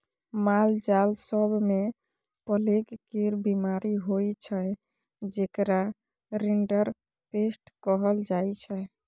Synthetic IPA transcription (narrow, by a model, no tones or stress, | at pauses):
mald͡ʒalsəbʱme | pəlekkiɾbimaɾiɦojt͡ʃʰə | d͡ʒekɾa | ɾiɳɖəɾ | pesʈkəɦəld͡ʒajt͡ʃʰɛ